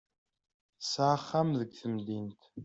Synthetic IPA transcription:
saːχɐmzɨɡθɨmd̪iːntʰ

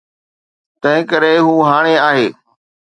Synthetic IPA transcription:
t̪ɐ̃ɦɪ̃kəɾeɦuːɦaːɽ̃eaːɦeː

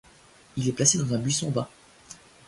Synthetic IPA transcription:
ilɛplased̪ɑ̃zɛ̃bɥisɔ̃ba

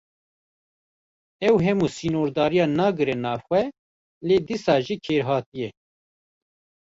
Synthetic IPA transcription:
ɛwɦɛmuːsiːnoːɾd̪ɑːɾijɑːnɑːɡɨɾɛnɑːvxʷwɛ | leːd̪isɑːʒiːkʰeːɾɦɑːt̪ijɛ

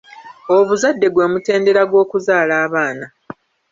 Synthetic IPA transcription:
oβuzadːe̞ɡwe̞ːmute̞ːnde̞ɾaɡwo̞ːkuzaːlaːβaːna

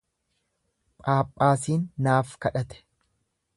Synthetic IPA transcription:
pʼaːpʼːaːsiːnːaːfkɐᶑɐt̪ɛ̥

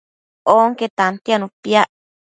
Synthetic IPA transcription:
oŋket̪ant̪janũpjaʔ

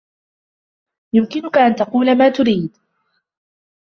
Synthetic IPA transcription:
jʊmkɪnʊkaʔant̪ɑquːlamaːt̪ʊɾiːd̪

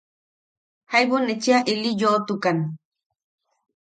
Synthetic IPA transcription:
hajwonet͡ʃiaʔilijot̪ukan

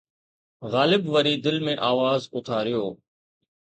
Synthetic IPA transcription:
ɣaːlɪbʋəɾiːd̪ɪlmẽʔaːʋaːzʊt̪ʰaːɾɪjoː

